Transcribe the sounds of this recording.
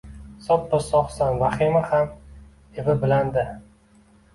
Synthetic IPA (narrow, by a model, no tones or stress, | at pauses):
sɒp̚bɪɾsɒχsɒnvaχimɪham | evɪbɪland̪ɪ